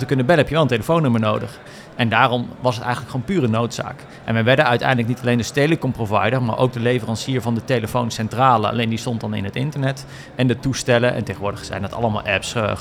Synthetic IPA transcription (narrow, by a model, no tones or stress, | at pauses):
təkɵnəbɛləɦɛpjəʋɛlˠəntejləfownɵməɹnowdəχ | ʔɛndaːrɔmʋɑsɦətɛ̰jχənləkχoːnpyːrənowtsa̰ːk | ʔɛ̰nʋɛjʋɛɹdənœɥtɛ̰jndlək̚nitɑlejndəstejləkɔmprovɑ̰jdəɹma̰ːɹʔo̰wk̚dəlejvərɑnsiːɹvɑndətejləfownsɛntraːlə̰ɑ̰lejndistɔntdɑnɪ̰nɦətɪ̰ntəɹnɛt | ɛndətustɛlənʔɛ̰ntejχəʋʊːɹdəχsɛ̰jndɑtɑ̰lˠəma̰ːlˠʔɛps